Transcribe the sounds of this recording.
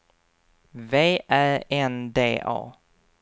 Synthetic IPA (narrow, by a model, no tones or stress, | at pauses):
veːʔæɾɛnd̪ḛːʔɑ̰ː